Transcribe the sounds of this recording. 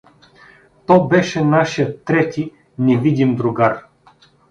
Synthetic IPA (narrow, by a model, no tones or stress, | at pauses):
t̪ɔbɛʃɛnaʃijət̪ːɾɛt̪i | nɛvid̪imd̪ɾʊɡaɾ